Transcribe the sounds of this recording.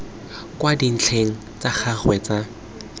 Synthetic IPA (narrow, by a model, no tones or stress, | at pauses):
kwadin̩t͡ɬʰeŋ̩ | t͡sak͡xʰaχwɛt͡sa